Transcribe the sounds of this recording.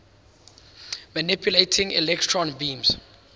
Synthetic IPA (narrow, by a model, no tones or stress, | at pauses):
manipʰjuletʰĩŋḭlɛk̚tʰɹɔ̃nbĩms